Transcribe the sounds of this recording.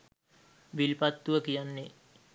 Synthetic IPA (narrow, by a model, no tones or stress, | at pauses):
ʋilpat̪ːuʋəkijanːe